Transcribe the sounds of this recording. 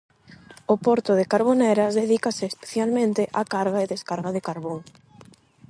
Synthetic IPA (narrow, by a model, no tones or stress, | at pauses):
opɔɾt̪ʊðɪkaɾβoneɾɐzðeð̞ikasɪːspe̥θjalmẽnt̪ɪʔakaɾɣaeðeskaɾɣaðɪkaɾβoŋ